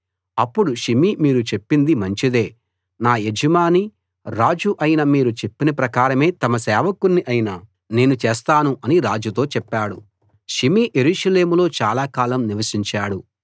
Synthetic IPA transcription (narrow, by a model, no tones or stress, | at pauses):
ɐpːuɽuʃimimiːɾut͡ʃe̞pːind̪imɐɲt͡ʃid̪e̞ː | naːjed͡ʒɐmaːni | ɾaːd͡ʒuʔɐjinɐmiːɾut͡ʃe̞pːinɐpɾɐkaːɾɐme̞ːt̪ɐmɐsɛːʋɐkunːiʔɐjinɐ | ne̞ːnut͡ʃeːst̪aːnuʔɐniɾaːd͡ʒut̪o̞ːt͡ʃɛpːaːɽṵ | ʃimiʔje̞ɾuːʂɐle̞ːmulo̞ːt͡ʃaːlaːkaːlɐmniʋɐsiɲt͡ʃaːɽu